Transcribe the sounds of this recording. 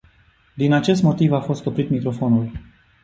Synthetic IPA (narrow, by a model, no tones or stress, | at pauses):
d̪inat͡ʃe̞st̪mo̞t̪ivafo̞st̪opɾit̪mikɾo̞fo̞nul